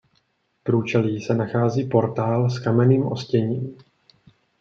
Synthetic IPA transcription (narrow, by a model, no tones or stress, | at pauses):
pɾuːt͡ʃɛliːsɛnaxaːziːpo̞ɾt̪aːlskamɛniːmʔoscɛɲiːm